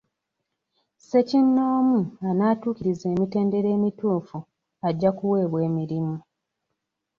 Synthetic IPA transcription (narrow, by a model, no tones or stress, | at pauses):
se̞cinːoːmuanaːtuːkiɾize̞ːmite̞ːnde̞ɾe̞ːmituːfu | aɟːakuwe̞ːβwe̞ːmiɾimu